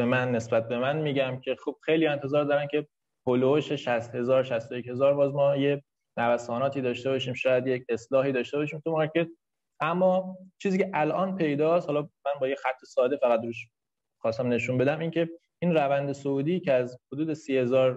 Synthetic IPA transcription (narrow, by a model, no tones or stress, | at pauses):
emænːe̞sbæt̪̚be̞mænmiːɟæmcʰe̞xub̥xejlient̪ʰe̞zɒːɾd̪ɒːɾæncʲʰe̞ | pʰoloʃeʃæst̪he̞zɒːɾʃæst̪o̞jeche̞zɒːɾbɒːzmɒːje̞ | nævæsɒːnɒːt̪ʰiːd̪ɒːʃt̪e̞bɒʃiːmʃɒːjæd̪jecʰe̞slɒːɦiːd̪ɒːʃt̪e̞bɒːʃiːmt̪ʰumɒɾcʰe̞t̪̚ | ʔæmːɒːt͡ʃʰiːziːcʲʰeʔælʔɒːnpʰe̞jd̪ɒːst̪hɒlɒmænbɒːjexæt̪ʰːesɒːd̪e̞fæɣæt̪ɾuːʃ | xɒːst̪æmne̞ʃunbe̞d̪æmiːncʰe̞ | iːnɾævænd̪esouːd̪iːcʰeæzhod̪uːd̪e̞siːhe̞zɒːɾ